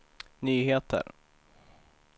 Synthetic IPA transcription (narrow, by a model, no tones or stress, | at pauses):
nyːɦeːt̪ʰə̰ɾ